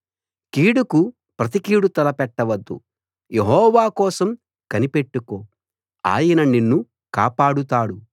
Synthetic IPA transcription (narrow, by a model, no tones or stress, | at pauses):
kiːɽuku | pɾɐt̪ikiːɽut̪ɐlɐpɛʈːɐʋɐd̪ːṵ | je̞ɦɔːʋaːkɔːsɐm | kɐnipe̞ʈːuko̞ː | a̰ːjɐnɐninːu | kaːpaːɽut̪aːɽu